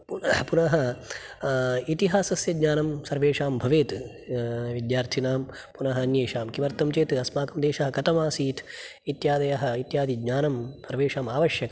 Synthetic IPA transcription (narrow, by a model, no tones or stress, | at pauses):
pupunɐɦɐ | it̪iɦaːsɐsjɐɡɲaːnɐmsɐɾʋeːʂaːmbʱɐʋeːt̪ | ʋid̪jaːɾt̪ʰinaːm | punɐɦɐɐnjeːʃaːmkiʋɐɾt̪ɐmt͡ʃeːt̪ɨɐsmaːkɐmd̪eːʃɐɦɐkɐt̪ɐmaːsiːt̪ʰit̪jaːd̪ɐjɐɦɐ̆it̪jaːd̪iɡɲaːnɐmsɐɾʋeːʂaːmaːʋɐʃjɐkɐ